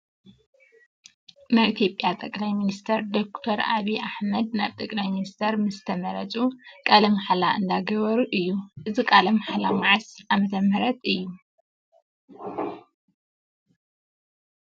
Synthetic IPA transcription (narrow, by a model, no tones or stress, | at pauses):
naβit̪ʰjo̞pʼːjat̪ʼɐkʼlajminist̪ʰɐɾd̪okt̪ʰoɾa̰βiʔaħmɐd̪̚naβt̪ʼɐkʼlajminist̪ʰɐɾmɨst̪ʰɐmɐɾɐt͡sʼukʼalɐmaħalaʔɨnd̪aɡɐβɐɾuʔɨjːuʔɨzikʼalɐmħalamaʕsamɐt̪ʰɐmɐɾɐt̪ʼɨjːu